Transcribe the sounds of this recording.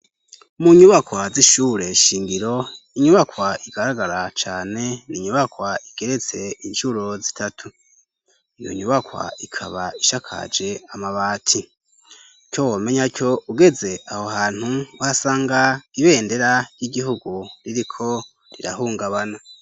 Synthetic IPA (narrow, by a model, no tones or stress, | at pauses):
muɲuβakwaziʃuːɾe̞ʃiːŋɡiɾo̞iɲuβakwaiɡ̥aɾaɡaɾat͡ʃaːne̞niɲuβakwaiɡ̥e̞ɾe̞t͡se̞inʃuɾozitʰatʰu | ijo̰ɲuβakwa̰ikʰaβaiʃakʰa̰d͡ʒe̞amaβaːtʰi | ko̞woːme̞ɲacʰo̞ʔuɡe̞ze̞aho̞haːn̥huwasaːŋɡaiβe̞ːnde̞ɾaɾjiɡiɦuɡuɾiɾikʰo̞ | ɾiɾa̰huːŋɡaβana